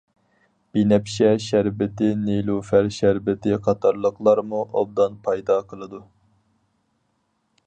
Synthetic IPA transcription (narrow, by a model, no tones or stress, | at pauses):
b̥inɛpʃɛʃæɾbɪt̪ɪnelˠufæɾʃæɾbɪt̪ʰɪqʰɑt̪ʰɑɾlˠəqlˠɑɾmuʔob̚d̪ɑnpʰɑjd̪ɑqʰəlˠɨd̪u